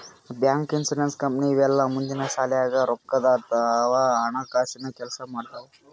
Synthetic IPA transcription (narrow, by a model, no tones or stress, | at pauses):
bjaŋkinsulenskəmpniʋɛlːamund̪inasaljaɡaɾokːəd̪at̪ːʋaaɳ̃akasinakɛlsamaɽt̪a